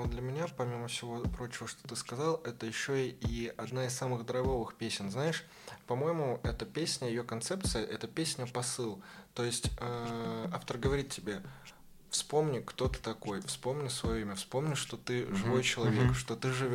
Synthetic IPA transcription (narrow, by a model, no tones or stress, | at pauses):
nod̪lʲəmʲɪnʲapɐmʲiməfsʲɪvo̞pɾo̞t͡ɕɪvəʂt̪ot̪ɨskɐzɑlˠɛt̪əjɪɕːo̞iɐd̪naɪsamɨɣd̪əɾɐɡo̞vɨxpʲesʲɪnznaɪʂ | pɐmo̞jɪmʊɛt̪əpʲesʲnʲəjɪjokɐnt̪sɛp̚t̪sɨjəʔɛt̪əpʲesʲnʲəpɐsɨlˠt̪o̞jɪsʲtʲaaft̪ərɡəvɐɾʲit̪ʲtʲːɪbʲe̞ | fspo̞mnʲɪkt̪o̞t̪ɨ̥t̪ɐko̞jfspo̞mnʲɪsvɐjo̞imʲəfspo̞mnʲɪʂt̪o̞t̪ɨʐɨvo̞jt͡ɕɪlˠɐvʲe̞kʂt̪o̞t̪ɨʐɨvʲ